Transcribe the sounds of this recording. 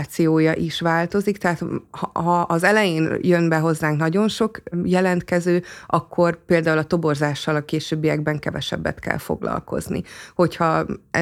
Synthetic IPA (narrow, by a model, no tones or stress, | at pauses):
t̪sijoːjɒʔiʃʋaːlt̪o̞zikt̪ɛɦaːt̪hɦɒʔɒzɛlɛjeːnjønbɛɦo̞zːaːŋknɒɟo̞nʃo̞kjɛlɛnt̪kɛzøːɒkʰːo̞rpeːld̪aːulɒt̪o̞bo̞rzaːʃːɒlɒkeːʃøːbːijɛɡ̚bɛŋkɛvɛʃɛ̰bːɛ̰t̪kɛ̰lfo̞̰ɡlɒ̰lko̞̰znḭho̞chɒ